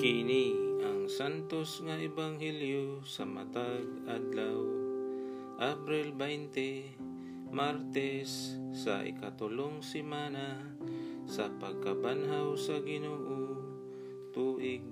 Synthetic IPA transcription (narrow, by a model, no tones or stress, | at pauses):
kiniʔaŋsant̪osŋaʔɪbaŋhɛljosɐma̰t̪aɡ̚ʔad̪law | ʔapɾɪlbɛjnt̪ɛ | maɾt̪ɛsːɐ̰ʔɪ̰kat̪ʊloŋsɪmaːna | sɐpɐɡ̚kabanɦawsɐɡɪnoːʔo | t̪uːʔɪɡ̚